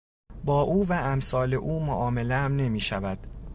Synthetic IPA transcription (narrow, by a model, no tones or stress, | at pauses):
bɒːʔuːvæʔæmsɒːle̞ʔuːmoʔɒːme̞leæmne̞miːʃævæd̪̥